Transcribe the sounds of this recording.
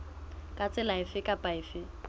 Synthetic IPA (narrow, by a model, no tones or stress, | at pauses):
kʼat͡sʼɪlaɪfɪkʼapʼaɪfɪ